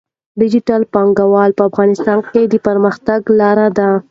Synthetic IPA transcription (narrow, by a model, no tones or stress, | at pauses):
ɖɪd͡ʒɪʈalpɑŋɡawɑlpəafɣɑnɪst̪ɑnked̪əpəɾməxt̪aɡlɑɾad̪a